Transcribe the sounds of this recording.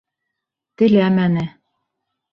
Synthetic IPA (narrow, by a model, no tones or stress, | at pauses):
t̪ɘ̆læmænɘ